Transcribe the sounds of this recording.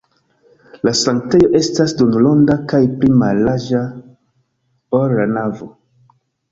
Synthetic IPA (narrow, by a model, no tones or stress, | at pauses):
lasaŋk̚tejo̞ʔe̞stasdunlondakajplimalaʒa | oɾlanavo